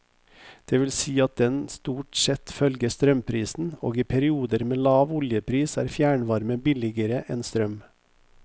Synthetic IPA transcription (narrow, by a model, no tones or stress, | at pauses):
d̪̥eːʋɪlsiːɑt̪̚d̪ɛnst̪uːʈsɛt̪fœlɡəst̪ɾœmpʰɾiːsn̩o̰ːɡiːpʰæɾɪuːd̪əɾmeːlɑːʋʊljəpʰɾiːsæ̰ːɾfjæːɳʋɑɾməbɪlɪɡəɾəʔɛnst̪ɾœm